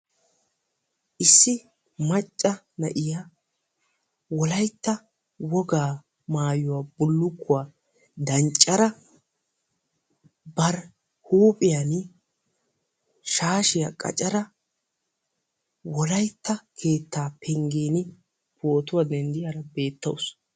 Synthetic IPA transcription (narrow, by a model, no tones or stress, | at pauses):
ʔɪsːɪ | mɐt͡ʃʼːɐ | nɐ̰ʔɪja | wɔlɐjt̪ːɐ | wɔɡaː | maːjʊwabʊlːʊkːʊwaː | d̪ɐnt͡ʃʼːɐɾɐ | bɐɾ | huːpʼɪjan | ʃaːʃɪjɐ̰kʼɐ̰t͡ʃʼɐɾɐ | wɔlɐjt̪ːɐkʰe̞ːt̪ːaːpʰɛŋɡiːnɪ | poːt̪ʊwad̪ɛnd̪ɪjɐɾɐbe̞ːt̪ːɐ̰ws